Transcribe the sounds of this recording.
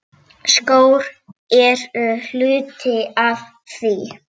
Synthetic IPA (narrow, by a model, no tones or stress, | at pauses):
skoːwɾɛɾl̥ʏːt̪ɪav | θi